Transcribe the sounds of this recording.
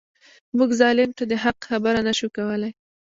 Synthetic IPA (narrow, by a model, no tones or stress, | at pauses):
muɡzɑlɪmt̪ad̪əɦaqxabaɾanaʃukawəlaj